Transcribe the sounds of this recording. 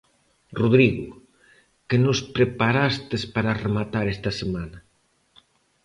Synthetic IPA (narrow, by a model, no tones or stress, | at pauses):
ruðɾiɣu | kenospɾepaɾast̪espaɾaremat̪aɾest̪ɐsemanɐ